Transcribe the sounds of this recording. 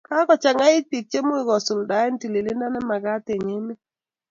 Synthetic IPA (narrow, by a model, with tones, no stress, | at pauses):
ka˦kɔ˨t͡ʃa˨ŋa˦i˦t̚pi˨k̚t͡ʃe˦mo˦i˨ɡɔ˨sʊ˨lda˨˦ɛ˦n˦ti˨li˨li˦nda˦na˦ma˨ɡa˦te˨ŋe˦mi˦